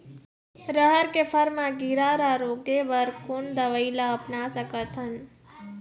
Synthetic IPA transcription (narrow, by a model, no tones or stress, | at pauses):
ɾəɦəɾkefʰəɾmãɡiɾaɾaɾoɡeʋəɾkond̪əʋəilaəpnasəkət̪ʰən